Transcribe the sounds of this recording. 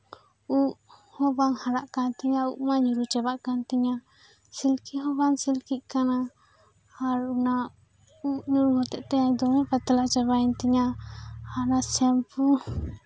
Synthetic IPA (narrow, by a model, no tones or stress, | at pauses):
uʔhɔbaŋhaɾaʔkant̪ɛɲauʔmaɲuɾut͡ʃɛbaʔkant̪ɛɲa | silkiɦɔbaŋsilkic̪̚kanaː | ɾuna | uʔɲuɾuhɔt̪ɛʔt̪ɛaɲd̪ɔmɛpat̪alat͡ʃaβant̪ɛɲaanasɛmpu